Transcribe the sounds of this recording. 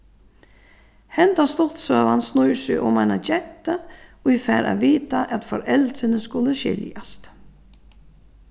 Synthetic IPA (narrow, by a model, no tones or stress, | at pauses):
hɛnt̪ast̪ɔt̪sœːʋansnujsɪʔʊ̰majnat͡ɕɛnt̪aujfɛːɾʔa̰ʋiːt̪aʔɛt̪fɔɾɛlt̪ɾɪnəskʊləʃɪ̰ljast̪